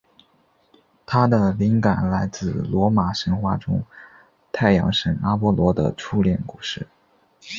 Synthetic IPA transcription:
t̪ʰa˥d̪ə˨li˧˥ŋka˨˩˦nla˧˥ɪt͡sɹ̩˥˩lwɔ˧˥ma˨˩ʂə˧˥nxwa˥˩ʈ͡ʂʊ˥ŋ | t̪ʰa˥˩ɪjɑ̰˧˥ŋʂə˨˩ŋa˥pwɔ˥lwɔ˧˥d̪ə̰˧ʈ͡ʂʰu˥ljɛ˨˩nku˥˩ʂɻ̩˥˩

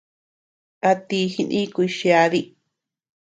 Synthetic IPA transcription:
a˧t̪i˧hi˦˧nĩ˦kʷi˧ʃi˧a˧ði˦

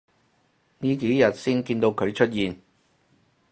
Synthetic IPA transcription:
niː˥ke˨˥jjɐ˨t̚siː˥nkiː˧nt̪o˧wkʰɵ˨˧ɥt͡ʃʰɵ˥t̚jiː˨n

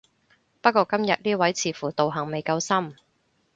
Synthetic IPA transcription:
pɐ˥t̚kʷɔː˧kɐ˥mjɐ˨t̚niː˥wɐ˨˥jt͡sʰiː˨fuː˨˩t̪o˨wɦɐ˨˩ŋme˨jkɐ˧wsɐ˥m

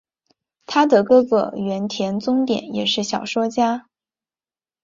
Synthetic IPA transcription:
t̪ʰa˥d̪ə˨˩kɤ˥˩ɡə̰˩ɥɛ˧˥nt̪ʰjɛ˧˥nt͡sʊ˥ŋt̪jɛ̰˨˩˥njɛ˨˩ʂɻ̩˥˩ɕjɑ˨˩ʊʂwɔ˥t͡ɕja˥

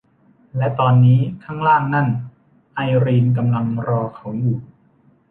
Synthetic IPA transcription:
lɛ˦˥t̪ɔː˧nːiː˦˥kʰaː˥˩ŋɾaː˥˩ŋna˥˩n | ʔa˧jɾiː˧nk̬a˧mla˧ŋɾɔː˧kʰa˦˥wjuː˨˩

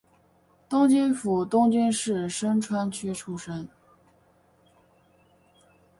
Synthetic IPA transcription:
t̪ʊ˥ŋt͡ɕy˥nfu˨˩t̪ʊ˥ŋt͡ɕy˥nʂɻ̩˥˩ʂə˥nʈ͡ʂʰwa˥nt͡ɕʰy˥ʈ͡ʂʰu˥ʂə˥n

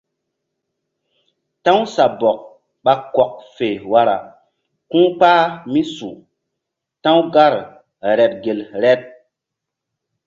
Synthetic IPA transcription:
tã˦wsa˨bɔ˨k̚ | ɓa˦kɔ˨k̚fe˨wa˨ɾa̰˨ | kũː˦k͡paː˦mi˦sṵ̃˨ | tã˦wɡa˦ɾ | ɾɛ˨t̚ɡe˨lɾɛ˦t̚

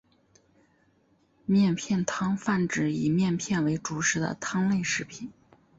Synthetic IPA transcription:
mjɛ˥˧npʰjɛ˥˩nt̪ʰɑ˥ŋfa˥˩nʈ͡ʂɻ̩˨˩i˨˩mjɛ˥˧npʰjɛ˥˩nwe˧˥ɪʈ͡ʂu˨˩ʂɻ̩˧˥d̪ə̰˧t̪ʰɑ˥ŋle˥˧ɪʂɻ̩˥˩pʰi˨˩˦n

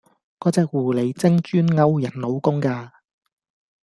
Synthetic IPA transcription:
kɔː˨˥t͡sɛː˨˧k̚wuː˨˩le˨˩jt͡sɪ˥ŋt͡ʃyː˥nŋɐ˥wjɐ˨˩nlo˨˧wkʊ˥ŋkaː˧

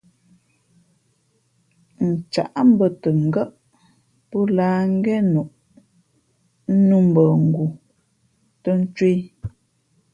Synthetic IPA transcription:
n̩˨t͡ʃa̰˨ʔm̩˦bə˨tə˨ŋ̩˨ɡə˦ʔ | pɔ˦laː˦ŋ̩˦ɡɛ˦nu˨ʔ | n̩˦nu˦˨m̩˨bə˨ŋ̩˨ɡu˨ | tə˦n̩˦t͡ʃwi˦

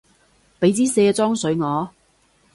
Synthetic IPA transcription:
pe˨˥jt͡siː˥se˧t͡sɔː˥ŋsɵ˨˥ɥŋɔː˨˧

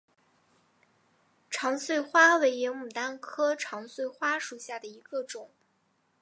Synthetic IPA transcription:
ʈ͡ʂʰɑ˧˥ŋswe˥˩ɪxwa˥we˧˥ɪɥɛ˧˥nmu˨˩t̪a˥nkʰɤ˥ʈ͡ʂʰɑ˧˥ŋswe˥˩ɪxwa˥ʂu˨˩ɕja˥˩d̪ə˩i˧˥ɡ̥ə˧ʈ͡ʂʊ˨˩˦ŋ

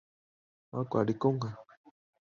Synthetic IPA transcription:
wa˦kʷa˨ɾi˨ko˦ŋha˨

